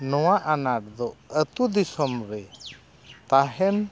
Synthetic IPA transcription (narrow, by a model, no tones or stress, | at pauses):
nɔwaʔanaɾ̚d̪ɔət̪ud̪isɔmɾɛ | t̪aɦɛn